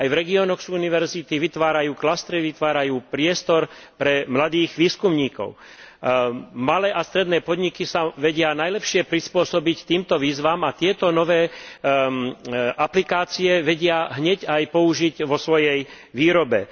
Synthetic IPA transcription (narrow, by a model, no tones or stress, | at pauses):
ajvɾɛɡiɔːnɔxsuniʋɛɾzit̪iʋit̪ʋaːɾajuːklast̪ɾiʋit̪ʋaːɾajuːpɾɪɛst̪ɔɾ | pɾɛmlad̪iːɣʋiːskumɲiːkɔ̰ʊ | malɛːʔast̪ɾɛd̪nɛːpɔd̪ɲikisaʋɛɟɪanajlɛpʃɪɛpɾispʊɔsɔbict̪iːmt̪ɔʋiːzʋaːmat̪ɪɛt̪ɔnɔʋɛː | ʔaplikaːt͡siɛʋɛɟɪaɦɲɛɟajpɔuʒiɟʋɔsʋɔjɛj | ʋiːɾɔbɛ